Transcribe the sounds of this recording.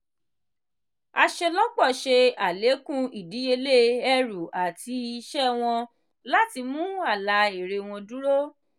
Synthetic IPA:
a˧ʃe˧lɔ˦k͡pɔ˦˨ʃe˧a˨le˨˦kũ˦i˨di˨˦je˧le˦˨ɛ˦ɾu˨a˨ti˧i˧ʃɛ˦w̃ɔ̃˧ | la˦ti˧mũ˦a˦˨la˧˦e˨ɾe˧w̃ɔ̃˧du˦ɾo˦

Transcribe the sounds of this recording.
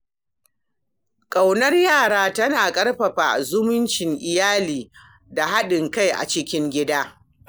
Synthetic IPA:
kʼa˨wnɐ˦rjaː˦˨ɽaː˦tɐ˦naː˨kʼɐ˦rɸɐ˨ɸa˨zʊ˦mʊ˦nt͡ʃɪ˨ŋʔɪ˨jaː˦liː˨ | da˨ɦa˦ɗɪ˨ŋka˦jʔa̰˨t͡ʃɪ˦kʲɪ˦ŋɡʲɪ˦daː˦

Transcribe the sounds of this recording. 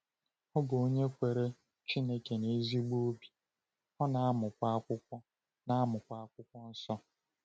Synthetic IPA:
ɔ˦ɡo˨˦ɲe˦kʷe˨ɾe˦ | t͡ʃi˦ne˦ke˨ne˨˦zi˦ɡ͡bo˦bi̥˨ | hɔ˦na˦mʊ˨kʷa˦a˦kʷʊ˦kʷɔ˦ | na˦a˦mʊ˨kʷa˦a˦kʷʊ˦kʷɔ˦n̩˦sɔ˦

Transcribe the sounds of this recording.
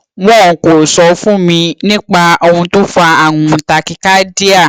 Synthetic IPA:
wɔ̃˦˨ko˨sɔ˧fũ˦mĩ˧nĩ˦k͡pa˧o˧hũ˧to˦fa˧a˦˨ŋũ˨˧ta˧ki˧ka˦di˦a˦˨

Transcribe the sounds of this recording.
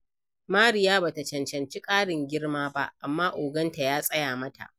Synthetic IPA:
maː˦ɾɪ˨jaː˦baː˨ta˨t͡ʃɐ˨nt͡ʃɐ˨nt͡ʃi˦kʼaː˦ɽɪ˨ŋɡʲɪ˦rmaː˦ba˦ʔa˨mːaː˦ʔoː˨ɡɐ˦nta˨jaː˦sʼɐ˦jaː˨mɐ˦tʰa̰˨ʔ

